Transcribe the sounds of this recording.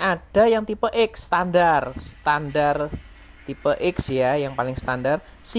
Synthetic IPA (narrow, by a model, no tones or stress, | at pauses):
ad̥ajaŋt̪ipəʔɪkst̪andarst̪andar | t̪ipəʔɪksjajaŋpalɪŋst̪andar | s